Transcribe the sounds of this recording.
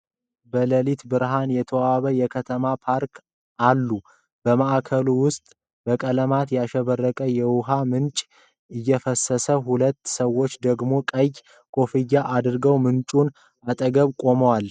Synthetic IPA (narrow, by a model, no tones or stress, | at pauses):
bələlit̪bɨɾɦanjɛt̪ʰəwaβəjɛkʰət̪ʰəmapʰaɾkʰ | ʔalːu | b̥əmaʔakʰəluwʊst̪ʼ | b̥əkʼələmat̪jɛaʃɛβərːəkʼəjɛwʊɦamɨnt͡ʃʼ | ɨjːɛfəsːəsəɦulət̪ːsəwo̞t͡ʃːd̪əɡmo̞kʼəj | kʼo̞fijaʔad̪ɨɾɡəwmɨnt͡ʃʼun | at̪ʼəɡəβkʼo̞məwal